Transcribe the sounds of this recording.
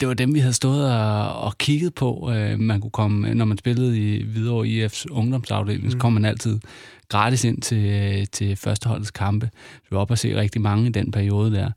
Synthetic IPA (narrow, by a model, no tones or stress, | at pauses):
d̥e̝ʋɑ̈d̥emʋiɦæð̞̩ˠsd̥ɔ̰̽ːð̞ˠɒɒkʰiɡ̥əð̩ˠpʰɒ̽ømænkʰukʰɒ̽mnɒmænsb̥e̝ləð̞̩ˠiʋið̞ˠɒ̰ːiefsɔ̽ŋd̥ɒ̽msɑ̈ʊd̥e̝̰ːlŋ̩sɒ̥kʰɒ̽m̰ːænæl̰t͡sʰið̞̰ˠɡ̥ʁɑ̈ːd̥ise̝n̰t͡sʰe̝t͡sʰe̝fɶɐsd̥əhɒ̽l̰ð̩ˠskʰɑ̈mb̥ə̥ɒ̽b̥æse̝̰ːʁɛɡ̥̚d̥imɑ̈ŋəid̥enpʰæɐio̝ːð̞ˠəd̥æɐ̰